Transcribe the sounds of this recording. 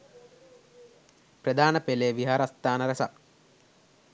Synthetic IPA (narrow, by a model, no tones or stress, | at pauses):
prɐd̪aːnɐpeleːʋiɦaːɾɐst̪aːnɐɾesa̰k